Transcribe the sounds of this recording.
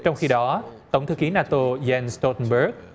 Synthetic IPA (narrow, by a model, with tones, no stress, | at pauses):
t͡ɕɔ˧wŋ͡mxi˧ɗɔ˨˦t̪ə˨˧˩wŋ͡mt̪ʰɨ˨˦ki˨˦naː˧t̪o˧zɛ˧nst̪o˧t̪ə˧nɓə˦˥k̚